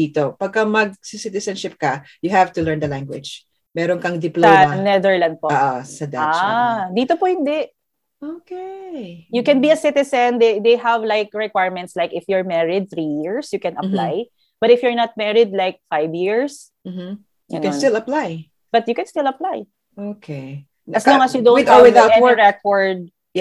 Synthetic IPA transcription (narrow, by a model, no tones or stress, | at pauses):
dit̪opɐɡ̚kɐmɐɡ̚sɪsɪt̪ɪsɐnʃɪp̚kɐ | jʊhævt̪ʊlɛɹnd̪ɐlaŋɡwɪ̰d͡ʒ | mɛːɾonkɐŋd̪ɪplsɐomɐnɛðɛɹlɐ̃nd̪̚pooːʔosɐd̪aad̪iːt̪opohɪ̃nd̪ɛʔ | ʔokejʊkɛ̃nbiɐsɪt̪ɪsɛnd̪ed̪ejɦɐvlajk̚ɹɛkwajɹmɛnt̪slajkɪfjʊɹmɛɹɪd̪̚θɹijɪɹsjʊkɛnɐpla̰j | b̥ɐt̪ɪfjʊɹnɐt̪̚mɛɹɪd̪̚lajk̚fajvjiɹs | m̩m̩ | ɡɐ̰nkɛ̃nst̪ɪlɐplaj | b̥ɐt̪̚jʊkɛ̃nst̪ɪlɐplaj | ʔokʰe | ɐsnoŋɐsjʊd̪õnt̪ɪaɛnɛɹɛkɔɹd̪̚